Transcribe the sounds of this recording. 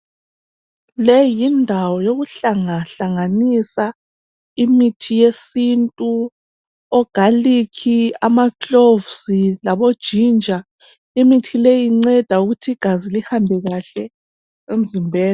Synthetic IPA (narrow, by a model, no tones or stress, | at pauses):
lɛjindʱawɔjoɣuɬaŋaɬaŋanisa | imitʰijesintʼu | ɔɡ̥ʱalikʰiamakovsilaβod̥ʒ̥ʱind͡ʒʱa | imitʰilejiŋ͡ǀɛd̥ʱauɣutʰiɡ̥ʱazilihambʱɛɣaɬɛ | em̩zimbʱɛːla